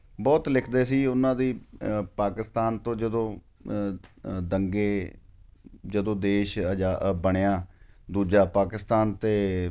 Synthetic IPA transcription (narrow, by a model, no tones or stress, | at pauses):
bɔːt̪lɪkʰd̪eːsiːʊnãːd̪iːpaːkɪst̪aːnt̪õːd͡ʒəd̪õː | d̪əŋɡeː | d͡ʒəd̪õːd̪eːʃd͡ʒaːbəɽ̃eaːd̪uːd͡ʒaːpaːkɪst̪aːnt̪eː